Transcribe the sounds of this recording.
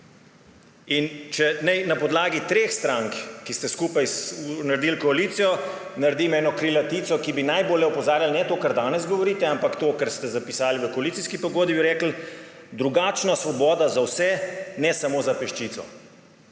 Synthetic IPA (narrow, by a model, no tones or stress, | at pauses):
int͡ʃɛnɛjnapɔd̪laːɡit̪ɾexst̪ɾaŋkkist̪ɛskuːpajsnaɾd̪ilkɔaliːt̪sijɔnaɾd̪imɛːnɔkɾilat̪iːt̪sɔkibinajboːljɛupɔzaːɾjalnɛt̪oːkaɾd̪aːnɛzɡɔʋɔɾiːt̪ɛampakt̪oːkaɾst̪ɛzapisaːliʋəkoɔalit̪siskipɔɡoːd̪bibiɾɛːkl̩ | d̪ɾuɡaːt͡ʃnasʋɔbɔːd̪azawsɛnɛsamoːzapɛʃt͡ʃit̪sɔ̰